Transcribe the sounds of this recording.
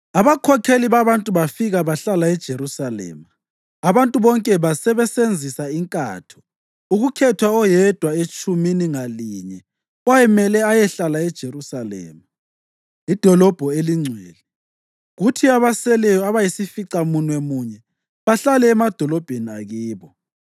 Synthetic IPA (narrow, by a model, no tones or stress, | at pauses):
aβakʰɔkʰeliβaβantʼuβafiɣaβaɬalaɛd̥ʒ̥ʱeɾusalɛ̰ːma | aβantʼuβɔŋkʼɛβasɛβɛsend͡zʱisaiŋkʼa̰ːtʰɔ̥ | uɣukʰɛtʰwaɔjɛd̥ʱwaet͡ʃʼuminiŋaliːɲɛ | wajɛmɛlɛajɛɬalaɛd̥ʒ̥ʱerusalɛ̰ːma | id̥ʱɔlɔb̥ʱɔeliŋ͡ǀʱwɛːlɛ | ɣutʰiaβasɛlɛjɔaβajisifiǀamunwɛmuɲɛ | βaɬalɛːmad̥ʱɔlɔb̥ʱenia̰ɣiːβɔ